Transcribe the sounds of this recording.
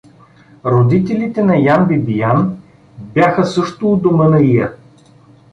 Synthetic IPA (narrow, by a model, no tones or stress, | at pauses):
ɾod̪it̪ɛlit̪ɛnɐjambibijan | bʲjaxəsɤʃt̪ʊːd̪omɤnɐijɐ